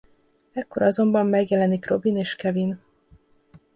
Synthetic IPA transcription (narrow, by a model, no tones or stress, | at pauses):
ɛkːo̞ɾɒzo̞mbɒmːɛɡjɛlɛnikro̞bineːʃkɛvin